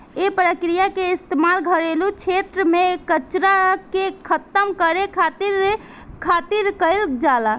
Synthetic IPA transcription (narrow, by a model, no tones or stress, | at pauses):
epɾəkɾijakeist̪emalɡʱəɾelut͡ʃʰet̪ɾəmekət͡ʃɾakekʰət̪əmkəɾekʰat̪iɾ | kʰat̪iɾkəɪld͡ʒala